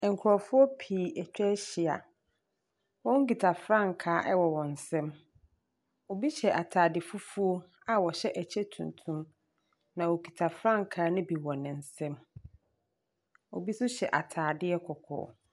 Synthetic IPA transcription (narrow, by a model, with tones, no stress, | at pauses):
ŋ̩˨kʰɾɔ˨fʊ˦ɔ˦pʰiː˨ɛ˨t͡ɕᶣɛ˦ɕɪ˨a̰˨ | wɔ̃˦ŋ̩˦ɡi˨tʰa˨fɾã˦˨ŋ˨kʰaː˨˦ʔɛ˦wɔ˨wɔ̃˨n̩˨sɛ̃˦m | ɔ˨bi˦ɕɛ˨ʔa˨tʰaː˨dɪ˨fu˦fu˦o˦ | a˨wɔ˨ɕɛ˦ʔæ˨t͡ɕʰɛ˦tʰṵ̃˨n˨tʰũ˦m | nã˨wo˨ɡi˨tʰa˨fɾã˦ŋ˨kʰaː˨˦nɪ̃˦bi˨wɔ̃˨nɪ̃˨n̩˨sɛ̃˦m | wɔ˨bi˦sʊ˦ɕɛ˨ʔa˨tʰaː˨dɪ˦ɛ˦kʰɔ˨kʰɔ̰ː˨